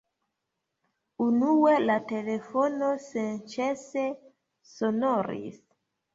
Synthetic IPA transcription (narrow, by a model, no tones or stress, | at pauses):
unuelate̞lefonosent͡ʃese | sonoɾḭs